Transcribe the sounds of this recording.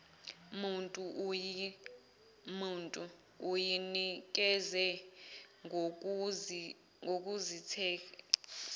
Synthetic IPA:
muntʼuʔuji | muntʼu | ujinik̬ʼɛzɛ | ŋʱok̬ʼuzitʰɛː

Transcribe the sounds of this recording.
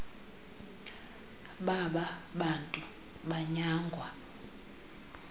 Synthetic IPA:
ɓaɓaɓantʼu | ɓaɲaːŋɡʱwa

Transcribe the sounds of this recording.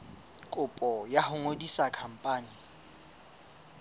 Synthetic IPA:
kʼʊpʼɔjahʊŋodisakʰam̩pʼaːni

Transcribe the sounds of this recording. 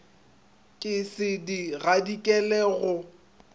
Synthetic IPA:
kʼɪsɪdiɣadikʼɛlɛɣʊ

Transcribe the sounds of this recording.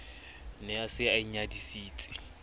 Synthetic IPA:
nɛasɪaiɲadisiːt͡sʼɪ̥

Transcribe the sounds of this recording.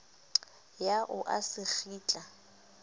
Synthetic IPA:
jaʔʊʔa̰sɪk͡xiːt͡ɬʼa

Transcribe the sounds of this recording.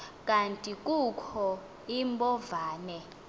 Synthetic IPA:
kʼantʼikʼukʰɔ | imbʱɔvaːnɛ

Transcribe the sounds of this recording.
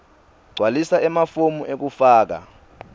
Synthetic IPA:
ɡ͡ǀʱwalisaʔɛmafomuʔek̬ufaːk̬a̰

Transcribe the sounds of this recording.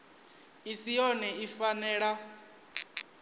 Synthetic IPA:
isijɔnɛifanɛːɺa

